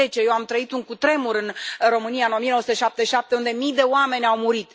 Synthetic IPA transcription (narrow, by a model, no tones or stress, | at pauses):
et͡ʃe̞jewamt̪ɾəit̪uŋkut̪ɾe̞muɾɨnro̞mɨnijaɨno̞mienosut̪eʃap̚t̪eʃap̚t̪eund̪e̞mijd̪e̞oame̞nʲawmuɾit̪